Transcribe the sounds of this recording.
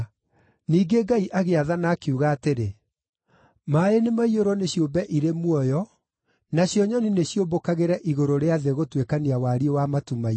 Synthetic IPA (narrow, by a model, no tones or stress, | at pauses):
niːɡeɡaiʔaɣeaðanaːkeuɣaːteɾe | maenemaioɾɔneɕjombɛʔiɾemwɔjɔ | naɕjɔɲɔnineɕjobokaɣeɾɛʔiɣoɾoɾeaðeɣotwekaniawaɾiɔwamatumai